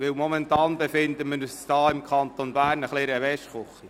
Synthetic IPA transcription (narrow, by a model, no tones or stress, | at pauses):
ʋɪwmɔmɛntɑːnbɛfɪndəməysd̥ɑːɪmkʰɑntonbæːrnəχleːɾəʋɛʃχoχi